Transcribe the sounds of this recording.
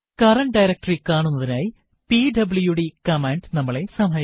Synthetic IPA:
kɐrɐɳɖɐjɾɐk̚ʈrikaːɳunːɐðinaːji | piɖɐbɭujuɽikɐmeːɳɖnɐmːɐɭe̞sɐmɦɐj

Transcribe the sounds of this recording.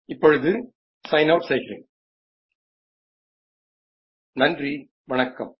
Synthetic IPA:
ɪpːɔɻɯðɯ | sɐɪnɐʊʈseɪɣɪrḛːŋ | nɐndri | ʋɐɳɐkːɐ̰m

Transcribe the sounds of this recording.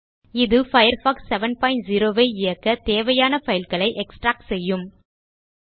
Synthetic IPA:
ɪðɯfɐɪɾfaːksːɛʋɐnpaːɪ̃nʈziɾoːʋeːɪjɐkːɐt̪eːʋɐjaːnɐfɐjɪlkɐɭɐɪʔɛksʈɾaːk̚sɛjːɯm

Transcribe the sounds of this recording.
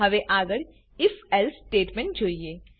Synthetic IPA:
ɐʋeʔaːɡəɽ | ɪfɛlsʈeːʈmẽɳʈ̚d͡ʒoːieː

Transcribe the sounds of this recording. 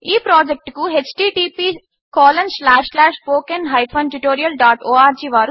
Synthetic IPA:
iːpɾaːd͡ʒek̚ʈkuɦet͡ʃʈiːʈiːpiː | kɔːlɐnslaːʂlaːʂpoːkɐnɦɐjpʰɐnʈuʈoːɾijɐlɖaːʈoːaːɾd͡ʒiːʋaːɾu

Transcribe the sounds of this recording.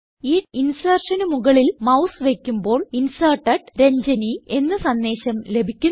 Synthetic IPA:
iːinsɐːrʂɐnumuɣɐɭilmɐwsʋe̞kʲːumbo̞ːɭinsɐːrʈːɐʈɾe̞ɲd͡ʑɐnie̞nːɨsɐnːe̞ːɕɐmle̞bʱikʲːu

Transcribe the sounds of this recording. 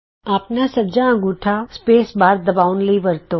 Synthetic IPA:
aːpnasəbd͡ʒaə̃ɡuʈʰaspesbaɾd̪əbaunliʋəɾt̪o

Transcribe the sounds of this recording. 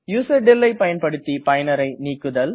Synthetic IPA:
juːsɐɾɖɪlːɐɪpɐjɐnpɐɽɯt̪ːipɐjɐnɐɾɐɪniːkːɯðɐl

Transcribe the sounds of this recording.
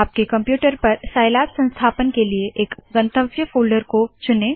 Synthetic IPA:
aːp̚kekɐ̃mpjuːʈəɾpɐɾsaːɪlaːt̪sɐ̃nst̪ʰaːpənkelieʔeːkɡɐ̃nt̪əʋɡjəfoːlɖəɾkot͡ʃʊneː

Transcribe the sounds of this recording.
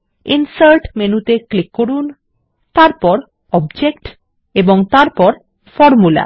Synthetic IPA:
insəɾʈmenut̪eklikːoɾun | t̪aɾpɔɾ | ɔbd͡ʑekʈ | eboŋt̪aɾpɔɾ | fɔɾmula̰

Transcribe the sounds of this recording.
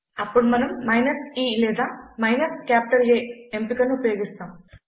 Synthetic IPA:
ɐpːoːɽmɐnumːɐjnɐsiːleːd̪aːmɐjnɐskʲaːp̚ʈɐɾileempikːɐnːupɐjoːɡist̪aːm

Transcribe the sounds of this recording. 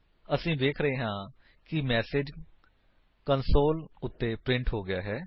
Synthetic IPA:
əsĩːd̪eːkʰɾəɦeːɦãː | kɪmɛːsed͡ʒ | kənsoːlʊt̪ːeːpɾɪ̃ɳʈɦoːɡɪjaːɦɛː

